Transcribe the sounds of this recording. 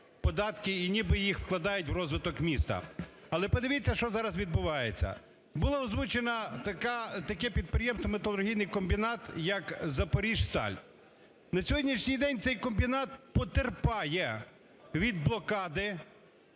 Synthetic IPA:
pɔd̪ɑt̪kɪinʲibɪjixwklˠɐd̪ɑjʊtʲwrɔzʋɪt̪ɔkmʲist̪ɐ̰ | ɐːlˠɛpɔd̪eɪʋʲit͡sʲːɐʃt͡ʃɔzɑɾɐzʋʲid̪̚bʊʋɑjet͡sʲːɐ̰ | bʊlˠɐɔzʋut͡ʃenɐt̪ɐkat̪ɐkɛpʲid̪̚pɾʲɪjɛmst̪ɔmet̪ɐlˠʊɾrɦʲijnɪjkɔmbʲinɑt̪jɐkzɐpɔɾʲiʒst̪ɑ̰lʲ | nɐsʲɔɦɔdʲnʲiʃnʲɪjd̪ɛnʲt̪sɛjkɔmbʲinɑt̪̚pɔt̪erpɑjɛ | ʋʲid̪̚blˠɔkɑd̪ɪ

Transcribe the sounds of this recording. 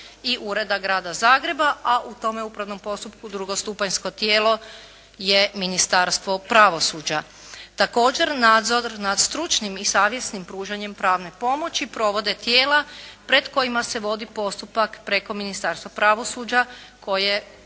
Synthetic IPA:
iʔuɾe̞d̪aɡɾaːd̪azaːɡɾe̞baʔaʔut̪o̞meupɾaʋno̞mpo̞st̪up̚kud̪ɾuɡost̪uːpaɲsko̞t̪jeːlo̞ | je̞minist̪aɾst̪ʋo̞pɾaʋo̞suːd͡ʑa | t̪ako̞ːd͡ʑe̞ɾnaːd̪zo̞ɾnad̪st̪ɾut͡ʃnimisaːʋje̞snimpɾuːʒaɲe̞mpɾaːʋne̞po̞mo̞t͡ɕipɾo̞ʋo̞d̪e̞t̪je̞ːlapɾe̞d̪ko̞jimase̞ʋo̞d̪ipo̞st̪upakpɾeko̞minist̪aːɾst̪ʋapɾaʋo̞suːd͡ʑako̞je

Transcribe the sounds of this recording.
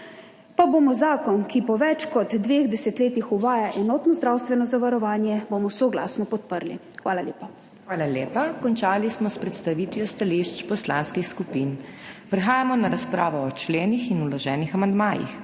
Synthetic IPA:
paboːmɔzaːkɔnkipɔʋɛt͡ʃkɔd̪ːʋeːɣd̪ɛsɛt̪leːt̪ixuʋaːjaʔɛnɔːt̪nɔzd̪ɾaːwst̪ʋɛnɔzaʋaɾɔʋaːnjɛbomɔsoɡla̰ːsnɔpɔt̪pəɾlḭ | xʋaːlaljeːpa | xʋaːlaljeːpakɔnt͡ʃaːlismɔspɾɛt̪st̪aʋiːt̪ʋjɔst̪aliʃt͡ʃpɔslanskixskupinpɾɛxaːjamɔnaɾaspɾaːʋɔːt͡ʃleːnixinulɔʒɛːnixamand̪maːjḭx

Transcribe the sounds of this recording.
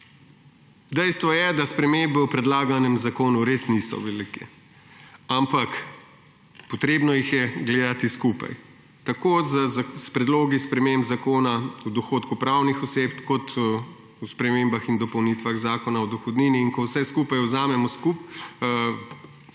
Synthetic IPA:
d̪ɛjst̪ʋɔjɛd̪aspɾɛmembɛwpɾɛd̪laːɡanɛmzakoːnuɾeːsnisɔ̰ʋɛliːkɛ | ampak | pɔt̪ɾeːbnɔjixjɛɡleːd̪at̪iskupa̰j | t̪akozspɾɛd̪loːɡispɾɛmembzakoːnaud̪ɔxoːt̪kupɾawnixɔseːpkɔt̪ | uspɾɛmembaxind̪ɔpɔwnit̪ʋaɣzaːkɔnaɔd̪ɔxɔd̪niːniːnkɔwsɛskuːpajɔzaːmɛmɔskup

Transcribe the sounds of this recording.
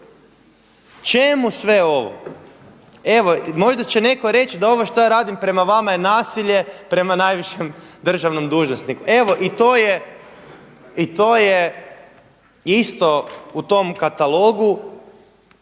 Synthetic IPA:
t͡ʃe̞musʋe̞o̞ʋo̰ | e̞ʋo̞mo̞ʒd̪at͡ɕe̞ne̞ko̞ɾe̞t͡ʃid̪ao̞ʋoʃt̪ojaɾaːd̪impɾe̞maʋamajenaːsiʎe̞pɾe̞manajʋiʃemd̪r̩ʒaʋno̞md̪uːʒnosnikue̞ʋo̞ʔit̪o̞je | it̪o̞je | ist̪o̞ut̪o̞mkat̪alˠo̞ɡu

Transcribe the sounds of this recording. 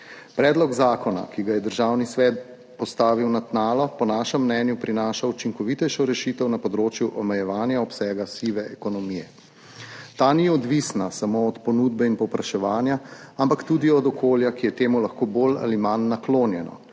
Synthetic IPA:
pɾɛːd̪lɔɡzaːkɔna̰kiɡajɛd̪əɾʒaːwnisʋɛːt̪̚ | pɔst̪aːʋiwnat̪naːlɔpɔnaːʃɛmːnɛnjupɾinaːʃaut͡ʃiŋkɔʋit̪ɛjʃɔɾɛʃit̪ɛwnapɔd̪ɾoːt͡ʃjuʔɔmɛjɛʋaːnjaɔpsɛːɡasiʋɛɛkɔnɔmijɛ | t̪aːniɔd̪ʋisnasamoɔt̪pɔnud̪̚bɛinpɔwpɾaʃɛʋaːnjaampakt̪ud̪iɔd̪ɔkoːljakijɛt̪eːmulaxkoːboːla̰limanːakloːnjɛnɔ̰

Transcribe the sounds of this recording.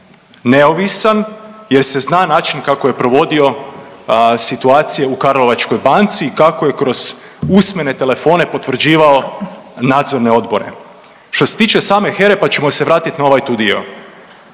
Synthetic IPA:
ne̞o̞ʋisanje̞ɾse̞znaːnaːt͡ʃinkako̞je̞pɾo̞ʋo̞d̪io̞ | sit̪uaːt̪sije̞ukaɾlo̞ʋat͡ʃko̞jbant̪siːkako̞je̞kɾo̞z̥ | usme̞ne̞t̪e̞le̞fo̞ːne̞po̞t̪ʋr̩d͡ʑiːʋao̞ | naːd̪zo̞ɾne̞o̞d̪bo̞ɾe̞̰ | ʃt̪o̞se̞t̪iːt͡ʃe̞saːme̞xe̞ɾe̞pat͡ɕe̞mo̞se̞ʋɾaːt̪it̪nao̞ʋajt̪ud̪io̰

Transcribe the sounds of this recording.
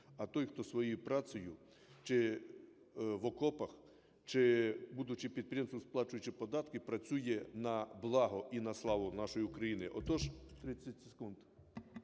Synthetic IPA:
ɐt̪ɔjxt̪ɔsʋɔjijpɾɑsʲɔjʊ | t͡ʃɪ | ʋɔkɔpɐx | t͡ʃɪbud̪ʊt͡ʃipʲid̪̚pɾʲjɛmsʊsplˠɑt͡ʃʊjʊt͡ʃɪpɔd̪ɑt̪kɪpɾɐt͡sʲujɛnɐblˠɑɦɔʔinɐslˠɑʋʊnɑʃɔjiʊkɾɐjinɪʔɔt̪ɔʒt̪ɾɪt͡sʲːɐtʲseekund̪

